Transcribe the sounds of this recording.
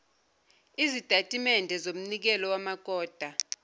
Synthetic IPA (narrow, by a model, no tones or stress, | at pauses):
izid̥ʱatʼimɛndʱɛzom̩nik̬ɛlɔwamaɡ̥̬ʱʼɔːd̥ʱa